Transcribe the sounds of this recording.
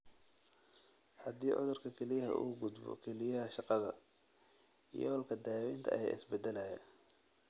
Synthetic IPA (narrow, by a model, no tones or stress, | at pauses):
hɐd̪iːʕʊ̰ðʊrkʰɐkʰɛlɪjɐɦɐ̰ʔṵːɡʊd̪bɔ̰kʰɛlɪjɐɦɐʃɑqɑðɐ | ḭjɔɔlkʰɐd̪aːwɪnt̪ʰɐʔɐjɛ̰ːɪ̰sbɛd̪ɛlɐjɐ̰